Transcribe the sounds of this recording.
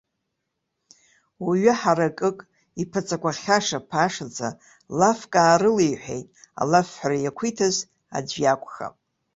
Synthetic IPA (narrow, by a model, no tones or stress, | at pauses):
waɥɪħaɾakʼɨkʼ | ipʰat͡sʼakʷʰaχʲaʂapʰaʂad͡zʰʼa̰ | lafkʼaːɾɨlejħʷᶣḛjtʼa̰lafħarajakʷʰitʰaz | a̰d͡ʒʷjakʷʰʼxa̰pʼ